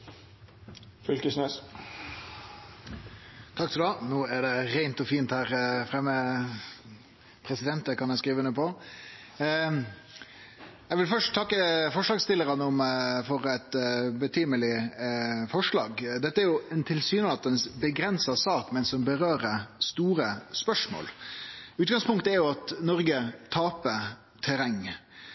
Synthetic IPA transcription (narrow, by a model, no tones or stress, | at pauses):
fʏlkəsnøːs | t̪ʰɑkt̪ʰɪld̪ɑnoːæɖɛɾæɪnt̪ɔfiːnt̪hæːɾfɾɛmːə | pʰɾɛsɪd̪ɛnt̪əkɑnæɪskɾiːʋəʉnːəpʰɔ | jɛɡʋɪlfœʂʈt̪ʰːɑkːəfɔʂlɑːɡst̪ɪlːəɾɑnəɔmfɔɾɛt̪bət̪ʰyːməlɪ | fɔʂɭɑ̰ːɡd̪ɛt̪ːəæɾjʊɛnt̪ʰɪlsyːnənɑt̪ːənsbəɡɾɛnsɑsɑːkmɛnsɔmbəɾøːɾəst̪uːɾəspœʂmo̰ːlʉːt̪̚ɡɑŋspʊŋkt̪əæɾjʊɑt̪nɔɾɡət̪ʰɑːpə | t̪ʰɛɾɛŋː